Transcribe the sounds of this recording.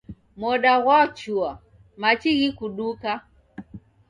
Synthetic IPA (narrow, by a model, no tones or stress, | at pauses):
mɔɗaɣwat͡ʃua | mat͡ʃiɣikuɗuka